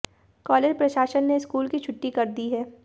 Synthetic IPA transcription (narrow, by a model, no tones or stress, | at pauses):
kɔːleːd͡ʒpɾɐʃaːʃənːeskuːlkit͡ʃʰʊʈːikɐɾd̪iɦɛː